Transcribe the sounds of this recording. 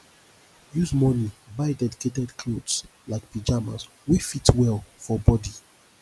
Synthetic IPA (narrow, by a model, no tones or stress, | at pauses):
juzmɔnibaɪdɛdiketɛdkʰlodslaɪk̚pid͡ʒama̰s | wefitwɛlfɔbɔdi